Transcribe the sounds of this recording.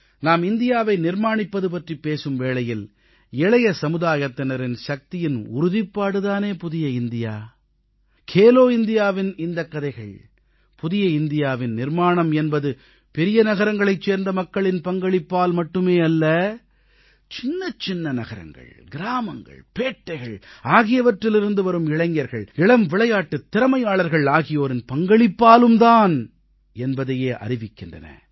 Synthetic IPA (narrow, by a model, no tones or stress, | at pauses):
naːmɪnd̪ɪjaːʋɐɪnɪɾmaːɳɪpːɐðɯp̬ɐʈripːeːsɯmʋeːɭɐjɪl | ɛɭɐjɐsɐmɯðaːjɐt̪ːɐnɐɾɪnʃɐk̚t̪ɪjɪnʊɾʊðɪpːaːɽɯðaːneːpʊðɪjɐɪnd̪ɪjaː | kʰeːloːɪnd̪ɪjaːʋɪnɪnd̪ɐkːɐðɐɪɣɐɭ | pʊðɪjɐɪnd̪ɪjaːʋɪnnɪɾmaːɳɐmɛnbɐðɯ | pɛɾɪjɐnɐɣɐɾɐŋɡɐɭɐɪt͡ʃːeːɾnd̪ɐmɐkːɐɭɪnpɐŋɡɐɭɪpːaːlmɐʈːɯmeːɐlːɐ | t͡ʃɪnːɐt͡ʃɪnːɐnɐɣɐɾɐ̰ŋɡɐ̰ɭɡɪɾaːmɐŋɡɐ̰ɭpeːʈːɐɪɣɐɭaːɣɪjɐʋɐʈrɪlɪɾɯnd̪ɯʋɐɾɯmɪɭɐŋɡjɐɾɣɐɭɪɭɐmʋɪɭɐjaːʈːɯt̪ːɪɾɐmɐɪjaːɭɐɾɣɐɭaːɣɪjoːɾɪnpɐŋɡɐɭɪpːaːlɯmd̪aːn | ɛnbɐðɐjeːʔɐ̰ɾɪʋɪkːɪndrɐ̰nɐ̰